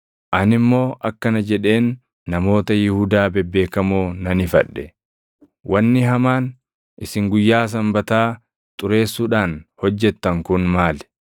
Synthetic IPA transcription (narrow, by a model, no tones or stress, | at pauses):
ʔɐnɪmːo̞ːʔɐkːɐnɐd͡ʒɛᶑe̞ːnː | ɐmo̞ːt̪ɐjɪhʊd̪aːbɛbːe̞ːkɐmoːnɐnɪfɐ̰ᶑːɛ | wʔɐnːɪɦɐmaːn | ʔɪsɪŋɡʊjːaːs̬ɐmbɐt̪aː | t̪ʼʊɾe̞ːsːuːᶑaːnhɔd͡ʒːɛt̪ːɐŋkʊnmaːlɛ̥